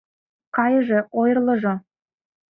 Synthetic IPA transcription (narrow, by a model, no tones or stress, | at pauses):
kɑjə̆ʒĕojrlˠɤ̆ʒo